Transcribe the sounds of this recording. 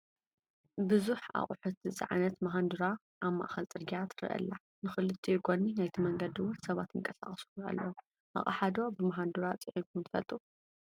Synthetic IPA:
bɨzuħa̰χʼħut̪ɨt͡sʼa̰ʕanɐt̪maɦand̪uɾa | ʔaβma̰ʔxɐlt͡sʼɨɾɡijat̪ɾɨ̰ʔɐ̰lːa | nɨxɨlɨt̪ʰːijɡoninajt̪ʰimɐŋɡɐd̪iwʊnsɐβat̪jɨŋkʼɐsa̰χʼɐsu̥a̰lːɐ | ʔa̰χʼaħad̪o̞bɨmaɦand̪uɾat͡sʼɨʕinkʰunt̪ʰɨ̥fɐ̰lt̪ʼu

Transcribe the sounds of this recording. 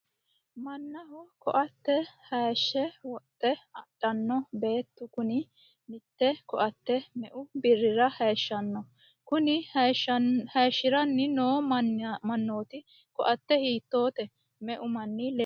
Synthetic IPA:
mɐnːɐhɔkɔ̰ʔɐt̪ːɛhɐːʃːɛwɔt̪ʼːɛɐɗ̥ɐnːɔbe̞ːt̪ːʊkʊnɪ | mɪt̪ːɛkɔʔɐt̪ːɛmɛʔʊbɪrːɪɾɐhɐjːʃːɐnːɔ | kʊnɪʃhɐːʃːɪɾɐnːɪnoːmɐnːoːt̪ɪ | kɔʔɐt̪ːɛhiːt̪ːo̞ːt̪ɛ | mɛʔʊmɐnːiːl

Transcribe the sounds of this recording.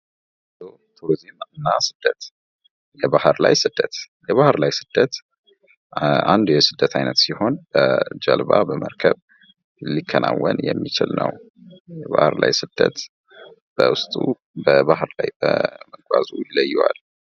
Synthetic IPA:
d̪o | t̪ʰuɾizimɨnːasɨd̪̥ːət̪ | jɛbahɨɾlajsɨd̪̥ːət̪ | jɛβahɨɾlajsɨd̪̥ːət̪ | and̪ujɛsɨd̪ːət̪ʰajnət̪siho̞nbəd͡ʒəlbabəməɾkʰəβ | likʰːənʔawːənjɛmːit͡ʃɪlnəw | jɛβahɨɾlajsɨd̪̥ːət̪ | b̥əwʊst̪ʼu | bəbahɾlajbəməɡʷwazujɪləjːuwal

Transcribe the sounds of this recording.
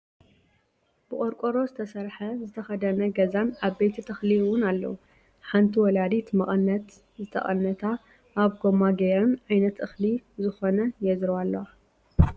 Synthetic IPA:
b̥ɨkʼoɾkʼoɾozɨt̪ʰɐsɐɾħɐzɨt̪ʰɐxɐd̪ɐnɐɡɐzanʔaβbejt̪ʰit̪ʰɨxliɨwʊnalːɐ̰wu | ħant̪ʰiwɔlad̪it̪mɐχʼɨnːɐt̪ | zɨt̪ʰɐ̰χʼɐ̰nːɐt̪ʰa | ʔaβɡomaɡeɾɐnʔajnɐt̪ʔɨxlizɨxo̞nɐjɛzɾwalːɐwa

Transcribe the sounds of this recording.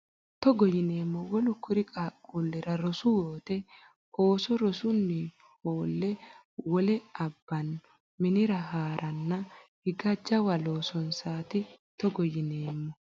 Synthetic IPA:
t̪ɔɡɔjɪne̞ːmːɔwɔlʊkːʊɾɪkʼaːkʼːulːɛɾɐɾɔsʊjoːt̪ɛ | ʔoːsɔɾɔsʊnːɪ | hoːlːɛ | wɔlɛɐbːɐn | mɪnɪɾɐɦaːɾʔɐnːɐhɪɡɐd͡ʒɐwɐlo̞ːsɔnsaːt̪ɪt̪ɔɡɔjɪneːmːɔ

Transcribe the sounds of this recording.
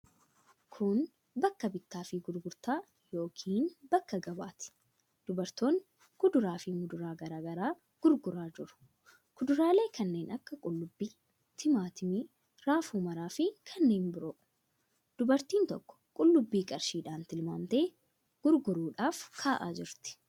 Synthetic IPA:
kʰʊn | bɐkːɐbɪt̪ːaːfɪɡʊɾɡʊɾt̪aː | jo̞ːkʰiːnbɐkːɐɡɐbaːt̪ɪ̥ | d̪̥ʊbɐɾt̪oːŋ | kʊd̪ʊɾaːfɪmɡʊd̪ʊɾaːɡɐɾaːɡɐɾaː | ɡ̥ʊɾɡʊɾaːd͡ʒɪɾʊ̥ | ɡ̥ʊd̪ʊɾaːle̞ːkʰɐnːe̞ːnʔɐkːɐkʼʊlːʊbːiː | t̪ʰɪmaːt̪ɪmi | ɾaːfuːmɐɾaːfɪkʰɐnːe̞ːnbɪɾoːʔʊ̥ | d̪̥ʊbɐɾt̪iːnt̪ɔ̰kːɔ̥kʼʊlːʊbːiːkʼɐɾʃiːᶑaːnt̪ɪlma̰ːnt̪eː | ɡ̥ʊɾɡʊɾuːᶑaːfkʰaːʔaːd͡ʒɪɾt̪ɪ̥

